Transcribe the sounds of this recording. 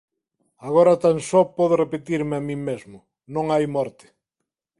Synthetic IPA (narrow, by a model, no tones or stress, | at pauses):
aɣoɾɐt̪ansɔpɔðʊrepet̪iɾmeamĩmezmʊ | nõŋajmɔɾt̪ɪ̥